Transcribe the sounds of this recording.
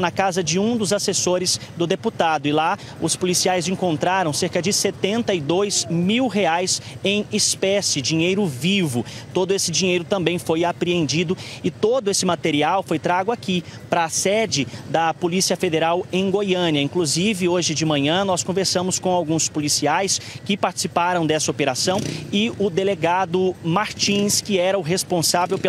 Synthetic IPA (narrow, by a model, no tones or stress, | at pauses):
nɐkazɐd͡ʒɪũd̪ʊzasesoɾɪzd̪ʊd̪eput̪ad̪ʊɪla | ʊspolisiajzẽŋkõnt̪ɾaɾɐ̃w̃seɾkɐd͡ʒɪset̪ẽnt̪ɐɪd̪ojz̥miwɦeajsẽj̃ispɛsɪd͡ʒiɲejɾʊvivʊt̪od̪ʊesɪd͡ʒĩɲejɾʊt̪ɐ̃mbẽj̃fojapɾiẽnd͡ʒid̪ʊɪt̪od̪ʊesɪmat̪eɾiawfojt̪ɾaɡʊaki | pɾɐːsɛd͡ʒɪd̪ɐpolisiɐfed̪eɾawẽj̃ɡojɐ̃niɐĩkluzivɪoʒɪd͡ʒɪmɐ̃ɲɐ̃nɔskõveɾsɐ̃mʊskõawɡũspolisiajskɪpaɾt͡ʃi̥sipaɾɐ̃w̃d̪ɛsɐopeɾasɐ̃w̃ɪʊd̪eleɡad̪ʊmaɾt͡ʃĩskɪɛɾɐʊɦespõsavewpe